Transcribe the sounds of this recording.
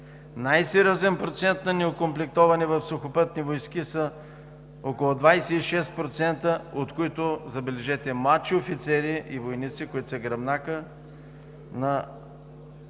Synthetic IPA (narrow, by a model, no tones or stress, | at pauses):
najsɛɾʲjɔzɛnpɾot̪sɛnt̪nɐnɛokomplɛk̚t̪ɔvɐnivɐfsʊxopɤt̪nivojskisə | okolˠod̪vajsɛiʃɛst̪̚pɾot̪sɛnt̪əot̪koit̪ozɐbɛlɛʒɛt̪ɛmlˠatt͡ʃiofit̪sɛɾiʔivojnit̪sikoit̪səɡɾɐbnakə | nɐ